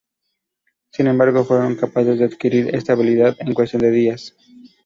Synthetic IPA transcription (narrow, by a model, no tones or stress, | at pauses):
sinẽ̞mbaɾɣo̞fwe̞ɾo̞ŋkapaθezðeaðkiɾiɾḛst̪aβ̞iliðaðe̞ŋkwest̪jo̞nd̪e̞ðias